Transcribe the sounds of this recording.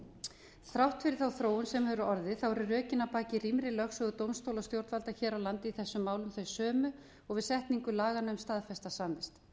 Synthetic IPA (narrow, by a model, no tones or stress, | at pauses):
θɾawht̪fɪɾɪɾ̥θawθɾoːwʏnsɛmhɛːvɾʏɔɾðɪθawɛɾʏrœːcɪnːapaːcɪrimɾɪlœxsœɣʏt̪owmst̪owlast̪jowɾt̪valt̪açɛːɾawlant̪ɪiθɛsːʏmːaːwlʏmθœɥsœːmʏ | ɔɣvɪðsɛht̪niŋkʏlaːɣanœmst̪aːðfɛst̪asanvɪst̪